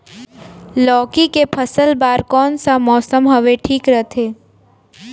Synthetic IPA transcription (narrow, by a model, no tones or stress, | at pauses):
lɔːkikepʰəsəlbaːɾkɔːnsamɔːsəmɦəʋeʈʰiːkɾət̪ʰeː